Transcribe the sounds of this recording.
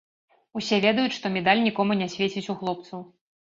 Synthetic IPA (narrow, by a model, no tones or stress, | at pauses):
usʲɛvʲɛd̪ɐjut͡sʲʂt̪ɔmʲɛd̪alʲnʲikɔmunʲasʲvʲet͡sʲit͡sʲuxlˠɔp̚t̪sɐw